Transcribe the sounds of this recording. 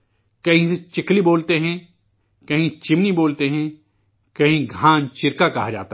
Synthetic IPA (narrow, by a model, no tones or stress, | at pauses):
kɐɦĩset͡ʃɪkliboːlt̪eɦɛ̃ | kɐɦĩt͡ʃɪmniboːlt̪eɦɛ̃ | kɐɦĩɡʱãːnt͡ʃɪɾkakɐɦad͡ʒa̰ːt̪a